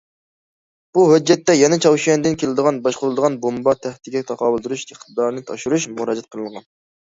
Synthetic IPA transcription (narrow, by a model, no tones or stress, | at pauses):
b̥uɦød͡ʒːɛt̪ːɛjɛnɛt͡ʃʰɑwʃɛnd̪ɪnkʲʰelɪd̪əʁɑnbɑʃqʊɾlɨd̪əʁɑnbombɑt̪ʰæht̪ɪɡʲɛt̪ʰɑqɑːbɨlˠd̪uɾuʃeχt̪ʰɨd̪ɑɾnɨt̪ʰɑ̰ʃuɾuʃmuɾɑːd͡ʒɛt̪̚qʰəlˠənʁɑn